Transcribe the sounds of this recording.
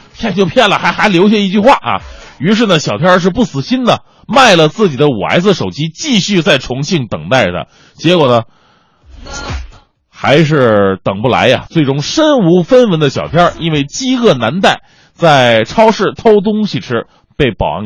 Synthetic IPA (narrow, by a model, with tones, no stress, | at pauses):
pʰjɛ˥˧nt͡ɕjo˥˧ʊpʰjɛ˥˩nlə˨˩xa˧˥ɪxa˧˥ɪljo˧˥ʊɕ̬ɛ˥˧i˥˩t͡ɕy˥˧xwa˥˩ʔɐ̰˩y˧˥ʂ̬ɻ̩˥˩nə˩ɕjɑ˨˩ʊt̪ʰjɑ˥ʂ̬ɻ̩˥˧pu˥˩sɹ̩˨˩ɕi˥nd̪ə˨ | ma˥˩ɪlə˩t͡sɹ̩˥˩t͡ɕi˨˩d̪ə˦ṵ˨˩a̰˧˥ɪd͡zɹ̩˧˩ʂo˨˩ʊt͡ɕi˥t͡ɕi˥˧ɕy˥˧t͡sa˥˩ɪʈ͡ʂʰʊ˧˥ŋɕi˥˩ŋt̪ɤ˨˩ŋt̪a˥˩ɪd̪ə̰˩ | t͡ɕjɛ˧˥kwɔ˨˩nə˦ | xa˧˥ɪʂ̬ɻ̩˥˩t̪ɤ˨˩ŋpu˥˩la̰˧˥ɪɐ̰˧t͡swe˥˩ɪʈ͡ʂʊ˥ŋʂə˥nu˧˥fə˥nwə˧˥nd̪ə˧ɕjɑ˨˩ʊt̪ʰjɑ˥i˥nwe˥˩ɪt͡ɕi˥ɤ˥˩na˧˥nt̪̬a˥˩ɪ | t͡sa˥˩ɪʈ͡ʂʰɑ˥ʊʂɻ̩˥˩t̪ʰo˥ʊt̪̬ʊ˥ŋɕi˨˩ʈ͡ʂʰɻ̩˥ | pe˥˩ɪpɑ̰˨˩˧